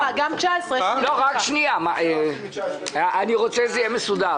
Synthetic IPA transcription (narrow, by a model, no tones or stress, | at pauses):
aɡamt͡ʃaesʁeloʁakʃniamae | ʔaniʁot͡sɛzejɛmesud̪aʁ